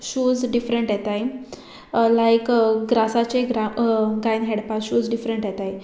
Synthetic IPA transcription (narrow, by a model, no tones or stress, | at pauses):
ɕud͡zɖifɾəɳʈɦjɛt̪aj | lajkɡɾasat͡ɕeɡaɡajnɦɛɽpasɕuːd͡zɖifɾəɳʈjɛt̪aj